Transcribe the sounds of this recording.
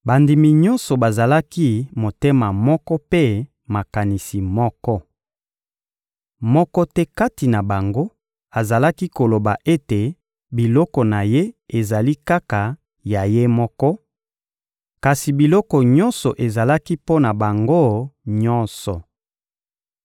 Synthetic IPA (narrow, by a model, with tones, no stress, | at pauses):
ba˨ndi˨mi˨ɲɔ˦nsɔ˨ba˨za˨la˦ki˦mo˨te˦ma˨mɔ˦kɔ˦pe˦ | ma˨ka˨ni˨si˨mɔ˦kɔ˦ | mɔ˦kɔ˦tɛ˦ka˦ti˨na˨ba˨ŋɡo˦ | a˨za˨la˦ki˦ko˨lo˨ba˨ʔe˦te˨ | bi˨lɔ˦kɔ˨na˨je˦e˨za˨li˦ka˦ka˨ | ja˨je˦mɔ˦kɔ˦ | ka˨si˨bi˨lɔ˦kɔ˨ɲɔ˦nsɔ˨ʔe˨za˨la˦ki˦po˦na˨ba˨ŋɡo˦ɲɔ˦nsɔ˨